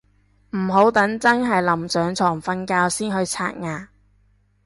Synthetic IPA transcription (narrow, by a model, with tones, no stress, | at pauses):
m̩˨˩ɦo˨˥wt̪ɐ˨˥ŋt͡sɐ˥nɦɐ˨jlɐ˨˩msœː˨˥ŋt͡sʰɔː˨˩ŋfɐ˧nkaː˧wsiː˥nɦɵ˧ɥt͡sʰa̰ː˧t̚ŋaː˨